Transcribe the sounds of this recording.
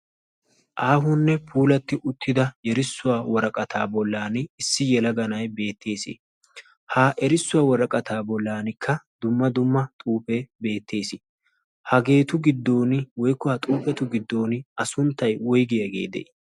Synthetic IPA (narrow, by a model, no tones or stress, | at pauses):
ʔaːhʊnːɛpʰuːlɐt̪ːɪʔʊt̪ːɪd̪ɐjɛɾɪsːʊwaːwɔɾɐkʼɐt̪ʰaːbɔlːaːnɪɪsːɪjɛlɐɡɐnɐjbe̞ːt̪ʰːe̞ːsɪ̰ | haːʔɛɾɪsːʊwaːwɔɾɐkʼɐt̪ʰaːbɔlːaːnɪkʰːɐd̪̥ʊmːɐd̪ʊmːɐt̪ʼuːpɛbe̞ːt̪ːe̞ːsɪ | hɐɡe̞ːt̪ʊɡɪd̪ːo̞ːnɪwɔjkːɔhɐt̪ʼuːpɛt̪ʊɡɪd̪ːo̞ːnɪɐsʊnt̪ːɐjwɔjɡɪjɐɡḛːd̪ɛ̰ʔ